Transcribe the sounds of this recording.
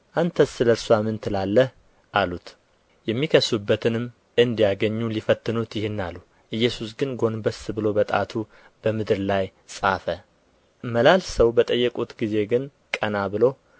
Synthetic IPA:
ʔant̪ʰəsːɨləɾsoamɨnt̪ʰɨlalːəh | ʔalut̪ | jɛmːikʰəsːubːət̪ʰɨnɨm | ɨnd̪ijaɡəɲːulifət̪ːɨnut̪jɪhɪnːalːu | ʔɨjːɛsusɡɨnɡo̞nbəsɨbɨlo̞bət̪ʼa̰t̪ʰu | b̥əmɨd̪ɨɾlaj | sʼafə | məlalsəwbət̪ʼəjːɛkʼut̪ɡize̞ɡɨn | kʼənabɨlo̞

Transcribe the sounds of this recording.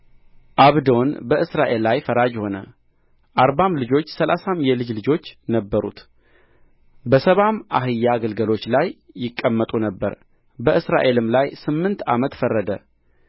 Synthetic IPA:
ʔaβd̪o̞nbəʔɨsɾaʔe̞lːajfəɾad͡ʒho̞nə̰ | ʔaɾbamlɨd͡ʒo̞t͡ʃːsəlʔasamjɛlɨd͡ʒlɨd͡ʒo̞t͡ʃːnəbːəɾṵt̪ | bəsəβamʔa̰ɦɨjːaɡəlɡəlo̞t͡ʃːlajː | ɪkʼːəmːət̪ʼunəbːə̰ɾ | bəʔɨsɾa̰ʔe̞lɨmlajsɨmːɨnt̪a̰mət̪fərːəd̪ə

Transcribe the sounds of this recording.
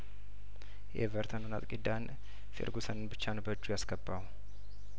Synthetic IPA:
jḛvəɾt̪ʰanonat̪ʼkʼid̪an | fḛɾɡusənɨnbɨt͡ʃːanəbəd͡ʒːujasɡəbːaw

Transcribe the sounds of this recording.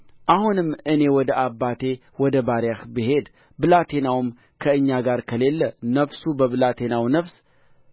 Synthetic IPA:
ʔahunɨmːɨne̞wɔd̪əʔabːat̪ʰe̞wɔd̪əbaɾjahbiɦe̞d̪ | bɨlat̪ʰe̞nawɨm | kʰəɨɲːaɡaɾkʰəle̞lːənəfsubəβɨlat̪ʰe̞nawnəfs

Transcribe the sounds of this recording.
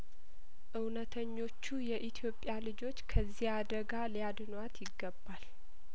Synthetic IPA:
ʔɨwnət̪ʰəɲːo̞t͡ʃːujɛʔit̪ʰijo̞pʼjalɨd͡ʒo̞t͡ʃːkʰəzːihad̪əɡalijad̪ɨnat̪jɪɡːəbːal

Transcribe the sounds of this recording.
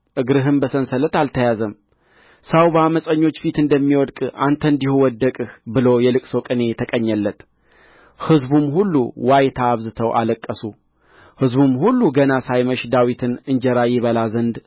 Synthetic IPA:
ʔɨɡɾɨɦɨmbəsənsələt̪alt̪ʰəjazəm | sawbaməsʼəɲːo̞t͡ʃːfit̪ɨnd̪əmːiwɔd̪kʼant̪ʰəɨnd̪ihuwɔd̪ːəkʼɨhbɨlo̞jɛlɨkʼsəwkʼɨne̞t̪ʰəkʼəɲːəlːət̪ | hɨzbumhulːṵwajt̪ʰaːβzɨt̪ʰəwʔa̰ləkʼːəsu | hɨzbumhulːuɡənasajməʃd̪awit̪ʰɨnɨɲd͡ʒɛɾajɪβəlazənd̪

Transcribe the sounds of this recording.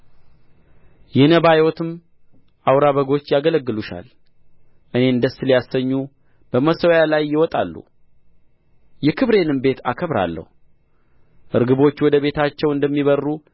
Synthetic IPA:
jɛnəβajwɔt̪ɨm | ʔawɾaβəɡo̞t͡ʃːjaɡələɡːɨluʃa̰l | ʔɨne̞ɨnd̪əsɨljasəɲːu | b̥əməsəwjalajːɪwɔt̪ʼalːṵ | jɛkʰɨβɾe̞nɨmbe̞t̪ʰa̰kʰəβɾa̰lːə̰hu | ʔɨɾɡɨβo̞t͡ʃːwɔd̪əβe̞t̪ʰat͡ʃːɛwɨnd̪əmːiβərːu

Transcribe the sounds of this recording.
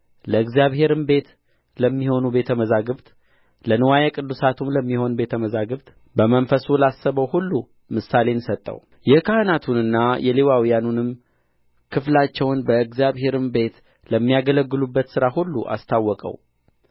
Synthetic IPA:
ləɨɡzijaβɦe̞ɾɨmbe̞t̪ | ləmːiho̞nube̞t̪ʰəməzaɡɨβt̪ | lənɨwajɛkʼɨd̪ːusat̪ʰumləmːiho̞nbe̞t̪ʰəməzaɡɨβt̪ʼ | bəmənfəsulasːəβəwhulːu | mɨsale̞nsət̪ʼːə̰w | jɛkʰahɨnat̪ʰunɨnːajɛlewawijanunɨm | kʰɨflat͡ʃːɛwnbəɨɡzijaβhe̞ɾɨmbe̞t̪ | ləmːijaɡələɡːɨlubːət̪sɨɾahulːṵʔa̰st̪ʰawːɔkʼə̰w

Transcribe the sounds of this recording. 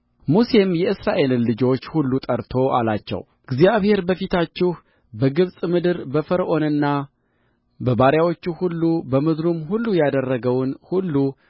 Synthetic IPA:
muse̞mjɛɨsɾaʔe̞lːɨd͡ʒo̞t͡ʃːhulːut̪ʼəɾt̪ʰo̞ʔa̰lat͡ʃːɛ̰w | ɡzijaβhe̞ɾbəfit̪ʰat͡ʃːɪh | bəɡɨβsʼmɨd̪ɨɾbəfəɾəʔo̞nɨnːa | bəbaɾjawo̞t͡ʃːuhulːubəmɨd̪ɾumhulːujad̪ərːəɡəwnhulːu

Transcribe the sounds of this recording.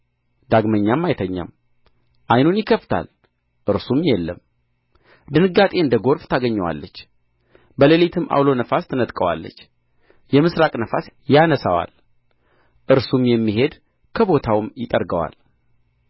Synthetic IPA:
d̪aɡməɲːamːajt̪ʰəɲːa̰m | ʔajnunjɪkʰəft̪ʰa̰l | ʔɨɾsumjɛlːəm | d̪ɨnɨɡːat̪ʼe̞ɨnd̪əɡo̞ɾft̪ʰaɡəɲːəwa̰lːət͡ʃː | bəlelit̪ʰɨmʔa̰wlo̞nəfast̪ʰɨnət̪ʼkʼəwa̰lːə̰t͡ʃː | jɛmɨsɾakʼnəfasjanəsawa̰l | ʔɨɾsumjɛmːiɦe̞d̪ | kʰəbo̞t̪ʰawmjɪt̪ʼəɾɡəwa̰l

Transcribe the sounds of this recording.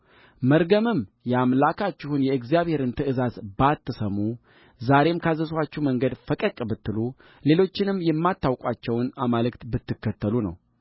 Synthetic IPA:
məɾɡəmɨmjɛamlakʰat͡ʃːɪhunjɛɨɡzijaβhe̞ɾɨnt̪ʰɨɨzazbat̪ʰːɨsəmu | zaɾe̞mkʰazəswat͡ʃːɛwməŋɡəd̪fəkʼəkʼːbɨt̪ːɨlu | le̞lo̞t͡ʃːɪnɨmjɛmːat̪ːawkʷʼat͡ʃːɛwnamalɨkt̪bɨt̪ʰːɨkːət̪ʰːəlunə̰w

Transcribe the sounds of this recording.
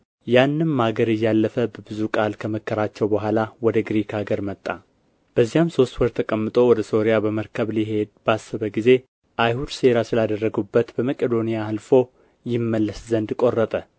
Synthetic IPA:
janːɨnmːaɡəɾɨjːalːəfəbəbɨzukʼalkʰəməkʰːəɾat͡ʃːɛwbəɦʷalawɔd̪əɡɾikʰaɡəɾmət̪ʼːa | b̥əzːijamso̞st̪wɔɾt̪ʰəkʼəmːɨt̪ʼo̞wɔd̪əso̞ɾijabəməɾkʰəβliɦe̞d̪basːəβəɡize̞ | ʔajhud̪se̞ɾasɨlad̪ərːəɡubːət̪bəməkʼed̪o̞nijaalfo̞ | jɪmːəlːəszənd̪kʼo̞rːət̪ʼə

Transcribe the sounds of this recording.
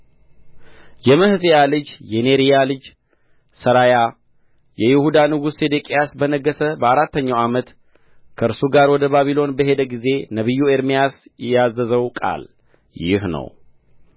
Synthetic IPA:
jɛməhɨsʼejalɨd͡ʒjɛneɾijalɨd͡ʒ | səɾaja | jɛjɪhud̪anɨɡused̪ekʼijasbənəɡːəsəbəaɾat̪ːəɲːawamət̪ | kʰəʔɨɾsuɡaɾwɔd̪əbaβilo̞nbəɦe̞d̪əɡize̞nəβɨjːueɾmijasɛazːəzəwkʼa̰l | jɪ̰hnə̰w

